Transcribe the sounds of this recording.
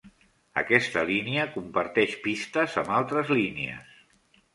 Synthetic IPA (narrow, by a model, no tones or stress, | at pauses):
ə̰kɛst̪əliniəkumpəɾt̪ɛʃpist̪əzəmbalˠt̪ɾəzlinḛə̰s